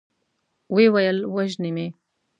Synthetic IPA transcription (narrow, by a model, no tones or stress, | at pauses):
wewajəlwaʒnime